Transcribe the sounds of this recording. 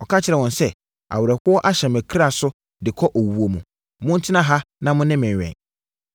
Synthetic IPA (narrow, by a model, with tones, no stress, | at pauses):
ɔ˨kʰa˦t͡ɕʰɪ˨ɾɛ˨wɔ̃˨nsɛ˦ | a̰˨wʊ˨ɾɛ˨hʊ˦ɔ˦ʔa˦ɕɛ˨mæ˨kʰi˦ɾa˦˨sʊ˦ | dɪ˨kʰɔ˦ʔo˨wu˦o˨mũ˨ | mʊ̃˦n̩˦tʰɪ˦nã˦ɦa˦nã˦mʊ̃˦nɪ̃˦mɪ̃˨ɛ̰̃˨n